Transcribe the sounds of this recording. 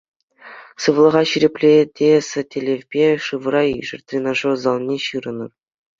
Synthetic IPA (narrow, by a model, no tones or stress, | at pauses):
sɯʋlˠɤ̆ʁɑɕiɾʲepʲlʲedʲesɘ̆tʲelʲevʲbʲeʂɯʋɤ̆ɾɑiʐɘ̆rʲt̪ʲrʲenɑʐozɑlˠnʲeɕɯɾɤ̆nɤ̰̆r